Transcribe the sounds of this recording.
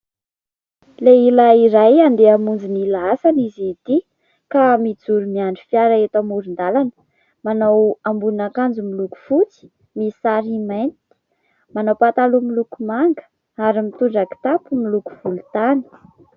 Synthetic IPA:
leilaiɾajand̪eamund͡zinilaasanizit̪i | kamid͡zuɾumiaɳɖ͡ʐifiaɾaet̪amuɾind̪alanə̥ | manawambunakand͡zumiluku̥fut͡si̥ | misaɾimajnt̪i̥ | manawpat̪alumilukumaŋɡə̥ | aɾimit̪uɳɖ͡ʐaki̥t̪apumiluku̥v̥ulut̪ani̥

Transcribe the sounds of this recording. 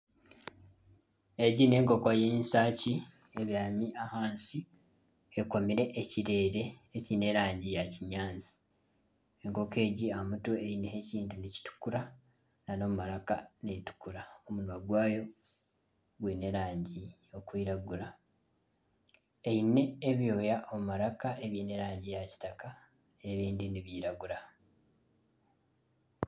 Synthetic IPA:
eɟine̞ːŋko̞kojeːnsaːci | eβjaːmiahaːnsi | eko̞miɾe̞ʔeciɾe̞ːɾe̞ːcine̞ɾaːɲɟijaciɲaːnzi̥ | eŋko̞ke̞ːɟiamutueineheciːntuneci̥tu̥kuɾa | nano̞mumalakanetu̥kuɾaomunwaɡwaːjo̞ | ɡwene̞ɾaːɲɟi | o̞kwiːɾaɡuɾa | eine̞ːβjo̞ːjaʔo̞mumaɾakaeβiːne̞ɾaːɲɟijaci̥taka | e̞βiːndiniβjiːɾaɡuɾa

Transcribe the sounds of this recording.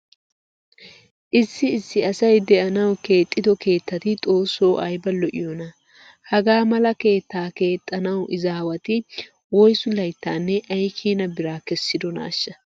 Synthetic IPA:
ʔɪsːɪːsːɪɐsɐjd̪ɛʔɐnɐwke̞ːt̪ʼːɪd̪ɔke̞ːt̪ːɐt̪ɪt̪ʼo̞ːsːo̞ːʔɐjbɐlɔʔɪ̰jɔnɐ | hɐɡaːmɐlɐke̞ːt̪ːaːke̞ːt̪ʼːɐnɐwʔɪzaːwɐt̪ɪ | wɔjsʊlɐjt̪ːaːnːɛʔɐjkʰiːnɐbɪɾaːkɛsːɪd̪ɔna̰ːʃːɐ

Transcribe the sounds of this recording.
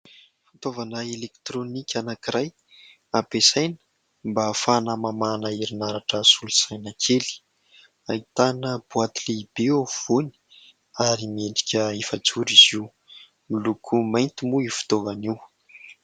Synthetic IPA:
fi̥t̪ovanaelekt̪ronikʲanakiɾaj | ab̥esajnə̥ | mbafanamamanaiɾinaɾaʈ͡ʂəsulusajnakʰeli̥ | ait̪anəb̥uat̪ileib̥eov̥uni̥ | aɾimeɳɖ͡ʐi̥kʲəefat͡suɾiz̥iw | milukʰumajnt̪imuifu̥t̪ovaniw

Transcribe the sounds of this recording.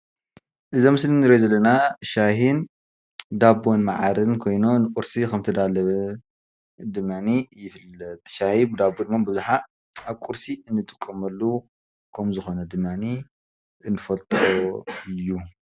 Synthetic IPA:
ʔɨzɐmɨslinɨɾezɐlːɐnaʃahin | d̪abonmaʕaɾɨnkʰo̞jnonɨkʼuɾsikʰɐmt̪ʰɐd̪alɐβɐ | d̪ɨmːanijɪfɨlɐt̪̚ʼʃahibɨd̪abod̪ɨmːabɨzuħa | aβkʼuɾsiɨnːɨt̪ʼɨ̥kʼːɐmɐlːu | kʰɐmzɨxo̞nɐd̪ɨmːani | ɨnːɨfɐlt̪ʼɾoɨjːu

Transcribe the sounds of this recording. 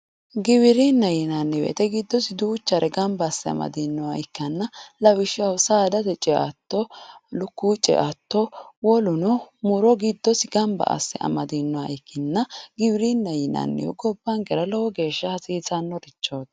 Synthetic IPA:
ɡɪβɪɾinːɐjɪnɐnːɛwɛ̰t̪ɛɡɪd̪ːɔsɪd̪uːt͡ʃːɐɾɛɡɐmbɐsːɛɐ̰mɐ̰d̪inːɔwaɪkːɐnːɐlɐwɪʃɔsaːd̪ɐt̪ɛt͡ʃʼɛʔɐ̰t̪ːɔlʊkːuːt͡ʃʼːɛ̰ʔɐt̪ːɔwɔlʊnɔmʊɾɔɡɪd̪ːɔsɪɡɐmbɐ̰ʔɐ̰sːɛ̰ʔɐ̰mɐd̪inːɔwaɪkːɪnːɐɡɪwɪɾinːɐjɪnɐ̰nːɛ̰jɔ̰ɡɔbːɐŋɡɛɾɐlɔwɔɡe̞ːʃːɐhɐsiːzɐnːɔɾɪt͡ʃːoːd̪

